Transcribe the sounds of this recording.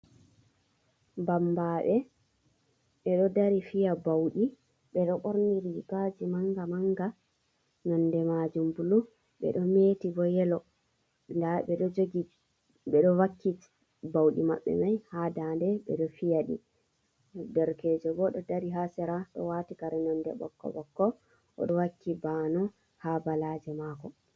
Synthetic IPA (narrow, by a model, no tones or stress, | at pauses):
bambaɓɛ | ɓɛɗɔdaɾifijabawɗi | ɓɛɗɔʔoɾniɾikad͡ʒimaŋɡamaŋɡa | nɔndɛmad͡ʒumbulu | ɓɛ̰ɗɔmeːtibɔjɛlɔ | ndaɓɛɗɔd͡ʒoɡi | ɓɛɗɔwakːi | bawɗima̰ɓːɛ̰majhadandɛɓɛ̰ɗɔfijaɗḭ | dɛɾkeːd͡ʒɔbɔɗɔdaɾiɦasɛɾaɗɔ̰watikaɾɛnɔndɛ̰ɓɔ̰kːɔ̰ɓɔkːɔ | ʔɔ̰ɗɔwakʰːibanɔ | habalad͡ʒɛmaːkɔ